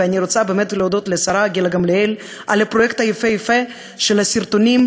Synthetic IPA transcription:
eaniɾot͡sabeːmet̪leod̪ot̪lesaɾaɡilaɡamleel | ʔalepɾojekt̪ajefejefe | ʃelhasiɾt̪onim

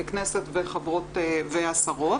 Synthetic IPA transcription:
knesetveχabʁo̞teveasaʁo̞t

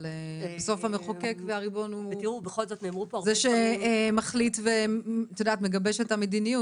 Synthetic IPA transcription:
lebeso̞fameχokekveaʁibo̞nut̪iʁubeχolzot̪neːmʁupozeʃemaχlitvet̪od̪aːtmeɡabeʃet̪amed̪iniju

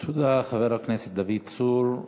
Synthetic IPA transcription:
t̪ʰud̪aχaveɾakneset̪̚d̪avid̪̚t͡suɾ

